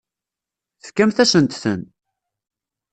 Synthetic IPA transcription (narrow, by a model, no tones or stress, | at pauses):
θə̥fkːæmθæsənt̪θə̰n